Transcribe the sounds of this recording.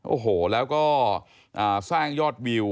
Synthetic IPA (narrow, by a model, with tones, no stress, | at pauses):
ʔo̰ː˨˩ɦoː˨˩lɛː˦˥wkɔː˥˩ | ʔaː˨˩saː˥˩ŋjɔː˥˩t̪̚wi˧w